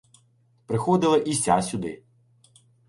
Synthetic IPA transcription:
pɾɪxɔd̪ɪlˠɐʔisʲasʲʊd̪ɪ̰

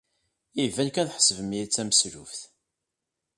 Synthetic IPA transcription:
ivænkænθħə̥səvəmit͡sːæmsɾṵfθ

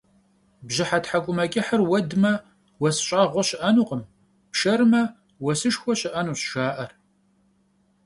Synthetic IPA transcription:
bʑɪħatħakʷʼʊmɐkʼɪħɐrwɐdmɐ | wɐsɕʼaːʁʷɔɕɪʔɐnuːqəm | pʃɐɾmɐ | wɐsɨʂxʷɔɕɪʔɐnuːɕʃaːʔɐr

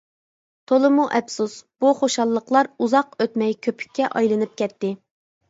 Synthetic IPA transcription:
t̪ʰolˠɨmuʔɛpsusb̥uχoʃɑlˠːəqlˠɑɾuzɑqøt̪mɛjkʲʰøpʰy̥kʲʰːɛʔɑjlˠɨnɨp̚kʲʰɛt̪ːɪ

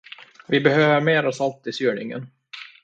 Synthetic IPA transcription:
vɪbɛhøːvəɾmeːɾɔsalt̪ɪsyːɳɪ̰ŋə̰n

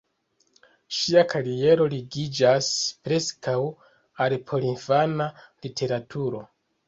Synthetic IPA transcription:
ʃiakaɾie̞ɾo̞liɡid͡ʒaspɾe̞skaw | alpʰo̞linfanalitʰe̞ɾatʰuɾo̞

